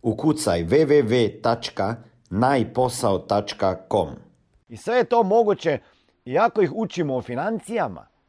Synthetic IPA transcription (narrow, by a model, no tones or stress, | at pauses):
ukut̪sajʋeʋeʋeːt̪at͡ʃka | najpo̞saot̪at͡ʃkakom | isʋe̞jet̪o̞mo̞ɡut͡ɕe | iako̞ixut͡ʃimoːfinant̪sijama̰